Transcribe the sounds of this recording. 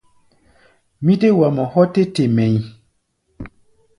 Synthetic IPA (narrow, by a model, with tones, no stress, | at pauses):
mĩ˦te˦wa˨mɔ̃˨hɔ˦te˦te˨mɛ̃˨ɲi˨